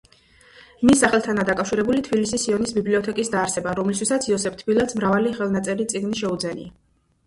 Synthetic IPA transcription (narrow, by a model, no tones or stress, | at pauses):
misːaχɛlˠt̪ʰanad̪akʼafʃiɾɛbulit̪ʰbilisisiɔnisbibliɔt̪ʰɛkʼisd̪aːɾsɛbaɾɔmlist̪ʰwisat̪sʰiɔsɛpʰt̪ʰbilˠat̪smɾavaliχɛlˠnat̪sʼɛɾit̪sʼiɡniʃɛud̪zɛnḭa